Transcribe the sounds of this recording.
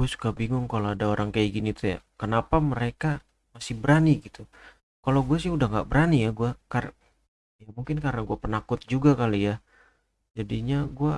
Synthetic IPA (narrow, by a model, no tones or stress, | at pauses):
ɡuasu̥kabiŋʊŋkaloadaoɾaŋkajaɡinit̪uja̰kənapaməɾeka | masɪhbəɾaniɡit̪u | kaloɡuas̬ɪhudahŋɡa̰ʔbəɾanijaɡuakar | jamuŋkɪnkaɾnaɡuapənakʊt̪̚d͡ʒuɡakalija | d͡ʒadiɲaɡua